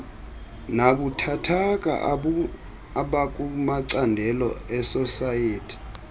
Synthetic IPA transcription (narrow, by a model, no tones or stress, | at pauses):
naɓutʰatʰakʼa̰ʔ | aɓakʼumaǀandʱɛlɔɛsɔsajeːtʰi̥